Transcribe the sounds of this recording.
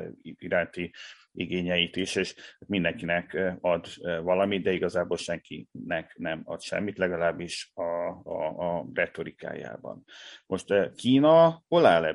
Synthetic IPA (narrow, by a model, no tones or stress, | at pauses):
iɾaːnt̪i | iɡeːɲɛjit̪iʃeːʃt̪mind̪ɛŋkinɛkɒd̪vɒlɒmid̪̚d̪ɛiɡɒzaːboːlʃɛŋkḭnɛknɛmɒ̰t̪ʃɛ̰mːit̪lɛɡɒlaːbːiʃɒ | rɛt̪o̞ɾika̰ːja̰ːbɒ̰nmʔo̞ʃt̪kiːnɒolaːlɛ